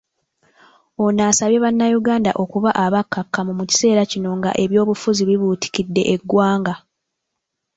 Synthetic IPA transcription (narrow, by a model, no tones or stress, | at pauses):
o̞naːsaβje̞βanːajuɡaːndaʔo̞kuβaʔaβakːakːamumuci̥se̞ːɾacino̞ŋɡa̰ʔe̞βjo̞ːβufuziβiβuːti̥cidːe̞ʔeɡːwaːŋɡa